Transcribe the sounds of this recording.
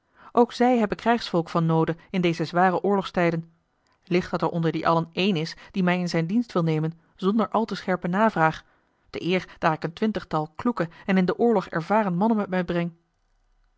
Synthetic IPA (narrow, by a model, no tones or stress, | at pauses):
ʔowksɛjɦɛbənkrɛjχsfɔlˠkfɑnːowdəɪndejzəzʋaːrəʔʊːɹlɔχstɛjdən | lɪχtdɑtɛɹʔɔndəɹdiʔɑ̰lənejnɪsd̥imɛjɪnzɛjndinstʋɪlˠnejmən | zɔndəɹʔɑlˠtəsχɛɹpənaːvraːχ | d̥əʔɪːɹd̥aːɹɪkəntʋɪntəχtɑlˠklukəɛnɪndəʔʊːɹlɔχɛ̰ɹvaːrənmɑnənmɛtmɛjbrɛŋ